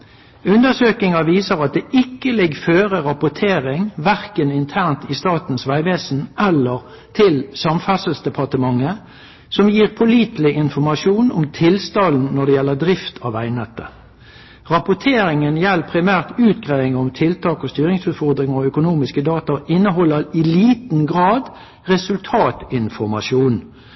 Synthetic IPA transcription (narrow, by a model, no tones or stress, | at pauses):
ʉnd̪əsøːkɪŋɑʋiːsəʁɑt̪̚d̪ɛːʔɪkːəlɪɡføːʁəʁɑpʊt̪ʰeːʁɪŋʋæʁkənɪnt̪ʰæʁnt̪ɪst̪ɑːt̪n̩sʋæɪʋeːsn̩ʔɛlːəʁ | t̪ʰɪlsɑmfɑsəlsd̪ɛpʰɑʁt̪əmɑŋːə | sɔmjiːʁpʰʊliːt̪lɪʔɪnfɔʁmɑʃuːnɔmt̪ʰɪlst̪ɑln̩nːɔd̪ɛjɛlːəd̪ʁɪft̪ʰɑːʋæ̰ɪnɛt̪ːə̰ | ʁɑpʊt̪ʰeːɾɪŋənjɛlːpʰʁɪmæːʁt̪ʉːt̪̚ɡʁeːʋɪŋəɔmt̪ʰɪlt̪ʰɑːkɔst̪yːɾɪŋsʉːt̪fɔʁd̪ʁɪŋəɔœkʊnuːmɪskəd̪ɑːt̪ɑɪnːəɦɔlːəʁɪliːt̪n̩ɡʁɑːd̪ | ʁɛsʉlt̪ʰɑːt̪ɪnfɔʁmɑʃuːn